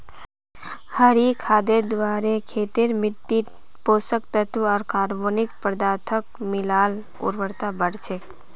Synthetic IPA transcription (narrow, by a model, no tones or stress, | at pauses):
həɾikʰaːd̪ed̪ʋaːɾekʰeːt̪ɪɾmɪʈ̪ːi | poːsək̚t̪ət̪uɔːɾkaːɾboːnɪk̚pɾəd̪aːt̪ʰəkmɪlaːl | ʊ̰ɾʋəɾt̪abəɽt͡ʃʰe